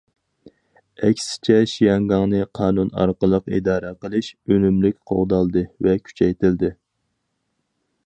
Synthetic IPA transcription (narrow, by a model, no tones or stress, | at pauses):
ɛkʲsɪ̥t͡ʃʰɛʃijɑŋɡɑŋnɨqʰɑːnunɑ̰ɾqəlˠəqḭd̪ɑːɾɛqəlˠɨʃønymlykʲqʰo̰ʁd̪ɑlˠd̪ɨvɛkʲʰy̥t͡ʃʰɛjt̪ɪld̪ɪ